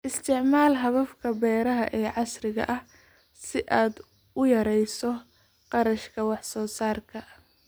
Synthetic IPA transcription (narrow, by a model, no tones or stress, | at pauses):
ʔɪst̪ʰɪʕmaːlɦɐβɐfkʰɐbɛːɾɐɦɐ̰ʔɛːʕɑsrɪɣɐ̰ʔɐh | sɪʔaːd̪ | ʊjɐɾɛjsɔ | qɑɾɐʃkʰɐwɑħsɔːsaːrkʰɐ